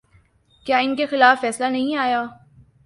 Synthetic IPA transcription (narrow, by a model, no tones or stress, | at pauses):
kjaːɪnkexɪlaːfːɛːslanɐɦĩaːjaː